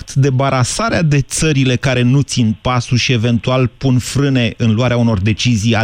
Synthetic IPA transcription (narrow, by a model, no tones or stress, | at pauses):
t̪d̪e̞baɾasaɾead̪e̞t̪səɾile̞kaɾe̞nut̪sinpasuʃie̞ve̞nt̪ualpunfɾɨne̞ʔɨnluaɾeauno̞rd̪e̞t͡ʃizija